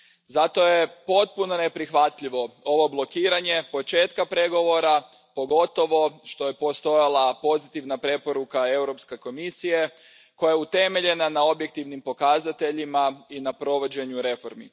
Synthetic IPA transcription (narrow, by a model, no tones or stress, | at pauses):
zat̪o̞jepo̞t̪̚puno̞ne̞pɾixʋat̪ʎiʋo̞o̞ʋo̞blˠo̞kiːɾaɲe̞po̞t͡ʃe̞ːt̪kapɾe̞ɡo̞ʋo̞ɾa | po̞ɡo̞t̪o̞ʋo̞ʃt̪o̞je̞po̞st̪o̞jalˠapo̞zit̪iʋnapɾe̞po̞ɾukae̞wɾo̞pske̞ko̞misije̞ | ko̞jajeut̪e̞me̞ʎe̞nanao̞bjek̚t̪iʋnimpo̞kazat̪eʎimainapɾo̞ʋo̞d͡ʑe̞ɲuɾe̞fo̞ɾmi